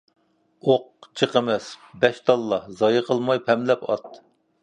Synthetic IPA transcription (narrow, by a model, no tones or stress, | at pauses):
oq̚t͡ʃʰəqəmɛsbɛʃt̪ʰɑlˠːɑhzɑjɨqʰəlˠmɑjpʰɛmlɛpɑ̰t̪